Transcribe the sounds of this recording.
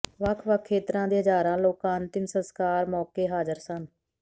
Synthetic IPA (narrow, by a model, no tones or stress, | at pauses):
ʋəkʰʋəkʰːeːt̪ɾãːd̪iːɦəzaːɾãːloːkaːnt̪ɪnsənskaːɾmɔːkeːɦaːzəɾsən